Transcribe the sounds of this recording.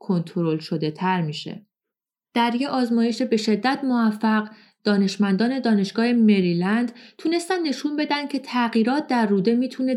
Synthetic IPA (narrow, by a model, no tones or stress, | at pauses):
kʰo̞nt̪ʰoɾo̞lʃo̞d̪e̞t̪ʰæɾmiʃe̞̰ | d̪̥æɾjeʔɒːzmɒːjeʃebe̞ʃe̞d̪ːæt̪ʰmovæfːæɢ | d̪̥ɒːne̞ʃmænd̪ɒːne̞d̪ɒːne̞ʃɡ̥ɒːhe̞me̞ɾiːlænd̪̥t̪ʰuːne̞st̪ænd̪ːe̞ʃunbe̞d̪ænd̪̥cʰe̞t̪ʰæɣiːɾɒːt̪̚ʰd̪æɾːuːd̪e̞miːt̪ʰune̞